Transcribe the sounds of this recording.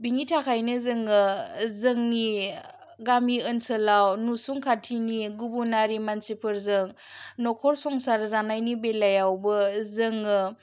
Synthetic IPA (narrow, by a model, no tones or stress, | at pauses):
biŋitʰakʰajnɯzɯŋɯzəŋni | ɡamiənsəlawnusuŋkʰatʰiniɡubunaɾimansipʰɯɾzɯŋ | nɔkʰɔɾsɔŋsaɾzanajnibelajawbɯzɯŋɯ